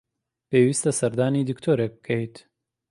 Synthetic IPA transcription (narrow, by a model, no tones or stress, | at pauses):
peːwiːst̪ɐsɐɾd̪aːniːd̪ɨkt̪ʰoːɾek̚bɨ̥kʰɛjt̪